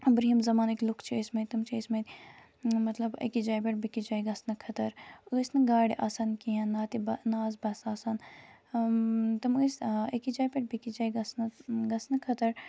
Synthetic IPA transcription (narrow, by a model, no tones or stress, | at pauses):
bɾiɦimzɐmaːniklukʰt͡ʃʰiesmet̪ɐmt͡ʃʰiesmɐt̪ʲ | mɐt̪lɐbɐ̰kid͡ʒaːjpʲeʈ̚bikid͡ʒaːjɡɐsnɐkʰɐt̪ɐɾəsnɨɡaːɽiʔaːsɐnkiɦɐ̃nːaːt̪ibɐnaːzbɐsaːsan | t̪ɐmɨsekid͡ʒaːjpʲeʈ̚bikid͡ʒaːjɡɐsnɨɡɐsnɐkʰɐt̪ɐɾ